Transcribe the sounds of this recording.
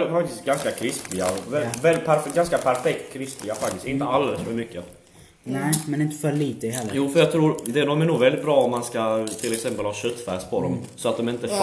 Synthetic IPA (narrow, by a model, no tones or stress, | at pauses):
fak̚t̪ɪst̪ɡanskakʰɾɪsplɪɡa̰vɛvɛlpʰæɾfɡanskapʰæɾfɛk̚t̪kʰɾɪsplɪɡafak̚t̪ɪst̪ɪnt̪əald̪ɛləsfœɾmʏkːə | nɛmɛnɪnt̪ə̥fœɭiːt̪əhɛlːjuːfœɾjɑːt̪ʰɾuːɾd̪ɛd̪ɔmænuːɡvɛld̪ɪt̪̚bɾɑːɔmmanskat̪ʰɪlɛksɛmpəlhɑːɕœt̪ːfæːspʰɔd̪ɔmsɔat̪̚d̪ɔmɪnt̪ə